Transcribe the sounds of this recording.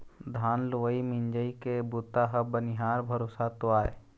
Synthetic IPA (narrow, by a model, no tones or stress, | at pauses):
d̪ʱaːnlʊʋəimɪɲd͡ʒəikebut̪aɦəbənɪɦaːɾbʱəɾoːsat̪ʊaːḛ